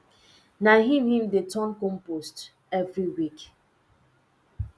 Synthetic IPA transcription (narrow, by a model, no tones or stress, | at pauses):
naɦĩmhĩmdetʰɔ̃nkɔ̃mpost | ɛvɹiwik